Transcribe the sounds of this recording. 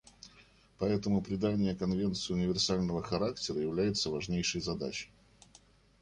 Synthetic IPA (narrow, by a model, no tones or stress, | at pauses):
pɐɛt̪əmʊpɾʲɪd̪anʲːɪjəkɐnvʲe̞nt̪sɨjʊnʲɪvʲɪrsalʲnəvəxɐɾaktʲɪɾəjɪvlʲæjɪt̪səvɐʐnʲejʂɨjzɐd̪a̰t͡ɕɪ̥